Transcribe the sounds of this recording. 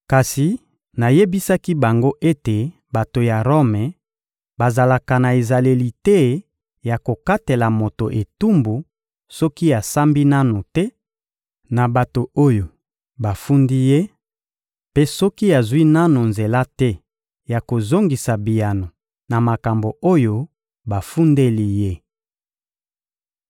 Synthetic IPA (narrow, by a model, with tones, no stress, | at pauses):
ka˨si˨ | na˨je˦bi˦sa˦ki˦ba˨ŋɡo˦ʔe˦te˨ | ba˨to˨ja˨ʁo˦mɛ˨ | ba˨za˨la˨ka˨na˨e˨za˨le˨li˨tɛ˦ | ja˨ko˨ka˦te˨la˨mo˨to˨ʔe˨tu˦mbu˨ | sɔ˦ki˦ja˨sa˦mbi˦na˦no˨tɛ˦ | na˨ba˨to˨o˦jo˨ | ba˨fu˦ndi˦je˦ | pe˦sɔ˦ki˦ja˨zwi˦na˦no˨nze˨la˦tɛ˦ | ja˨ko˨zo˦ŋɡi˨sa˨bi˨ja˨no˨ | na˨ma˨ka˨mbo˨o˦jo˦ | ba˨fu˦nde˦li˦je˦